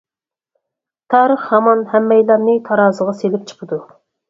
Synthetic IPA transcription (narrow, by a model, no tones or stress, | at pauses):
t̪ʰɑːɾəχhɑmɑnhɛmːɛjlˠɑɾnɨt̪ʰɑɾɑːzəʁɑselɪp̚t͡ʃʰə̥qʰəd̪u